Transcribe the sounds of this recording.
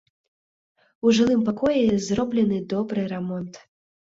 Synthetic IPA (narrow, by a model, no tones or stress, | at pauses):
uʐɨlˠɨmpakɔjɛzrɔblʲɛnɨd̪ɔbɾɨɾɛmɔnt̪